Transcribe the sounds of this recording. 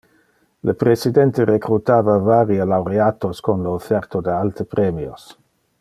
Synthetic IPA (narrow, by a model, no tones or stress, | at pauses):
ləpɾesid̪ɛnt̪ərekɾut̪aːvavaɾialawɾeat̪oskonloːfɛrt̪od̪əalt̪ʰəpɾemio̰s